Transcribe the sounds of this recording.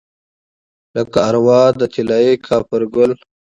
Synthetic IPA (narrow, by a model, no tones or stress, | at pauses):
ləkaːɾwɑːd̪ət̪ʰilaːekʰaːpəɾɡʊl